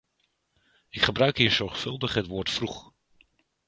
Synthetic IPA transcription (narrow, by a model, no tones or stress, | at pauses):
ɪkχəbrœɥkɦiːɹzɔɹχfɵlˠdəχɦətʋoːɹtfruχ